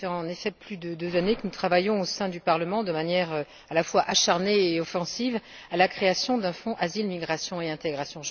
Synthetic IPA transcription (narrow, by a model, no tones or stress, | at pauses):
ɛɑ̃nefɛplyd̪əd̪øzanekənut̪χavajɔ̃osɛ̃d̪ypaʁləmɑ̃d̪əmanjɛʁø | alafwaʔaʃaʁneːɔfɑ̃siv | alakχeasjɔ̃d̪ɛ̃fɔ̃ʔazilmiɡʁasjɔ̃eɛ̃t̪eɡʁasjɔ̃